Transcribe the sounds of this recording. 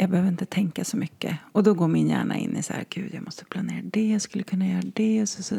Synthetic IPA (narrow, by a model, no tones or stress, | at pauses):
jɑːɡ̚bɛhøːvɾɪnt̪ət̪ʰɛŋkasɔmʏkːə̰ɔd̪ɔɡoːɾmɪnjæ̰ːɳa̰ʔɪ̰nːʔɪsahæ̰ɾɡ̥ʉ̟ːd̪jɑːɡmɔst̪ə̥pʰlaneːɾad̪ɛjaskɵlːəkʰɵnːajœːɾaɖɛɔsɔsɔ